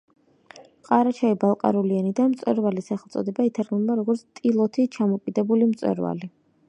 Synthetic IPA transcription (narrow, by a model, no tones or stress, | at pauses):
qʼaɾat͡ʃʰaibalˠqʼa̰ɾulianid̪anmt̪sʼwɛ̰ɾvalisaχɛlˠt̪sʼɔ̰d̪ɛbait̪ʰaɾɡnub̪aɾɔɡɔɾt̪sʰt̪ʼilˠɔt̪ʰit͡ʃʰamɔkʼid̪ɛbulimt̪sʼwɛ̰ɾva̰li